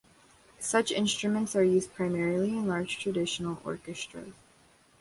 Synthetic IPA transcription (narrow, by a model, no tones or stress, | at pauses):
sʌt͡ʃɪ̃nstɹ̥ɨmə̃ntsə˞jʉzd̚pʰɹ̥aɪmɛɹl̩ˠiɨ̃nlɑɹd̥ʒ̥tʰɹ̥ɨdɪʃn̩l̩ˠɔ̰ɹkɨstɹ̥ə̰z̥